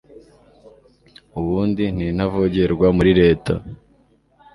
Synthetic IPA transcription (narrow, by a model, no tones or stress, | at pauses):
uβuːndin̥iːn̥havoɟe̞ɾɡwamuɾiɾe̞ːtʰa